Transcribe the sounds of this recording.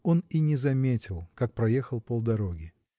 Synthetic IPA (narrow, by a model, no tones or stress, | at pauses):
o̞ninʲɪzɐmʲetʲɪlˠkak̚pɾɐjexəlˠpolˠd̪ɐɾo̞ɡʲɪ